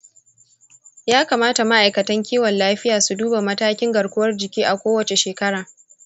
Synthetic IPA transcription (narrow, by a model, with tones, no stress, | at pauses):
jaː˦kaː˨maː˦ta˨ma˦ʔa˨jkɐ˨tɐ˦ŋkʲiː˦wɐ˨nlaː˦ɸɪ˦jaː˨su˨duː˦ba˨mɐ˦taː˦kʲɪ˦ŋɡɐ˨ɽkʷʊ˦wɐ˦rd͡ʒɪ˨kʲiː˦ʔa˨kʷoː˦wɐ˨t͡ʃe˨ʃeː˨kɐ˦ɽaː˨